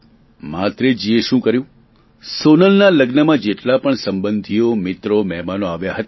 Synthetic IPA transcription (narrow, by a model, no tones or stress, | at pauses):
mat̪ɾed͡ʒieʃũkəɾjũ | sonəlnaləɡnəmãd͡ʒeʈlapəɳsəmbənd̪ʱiomɪt̪ɾomɛɦmanoaʋjaɦət̪a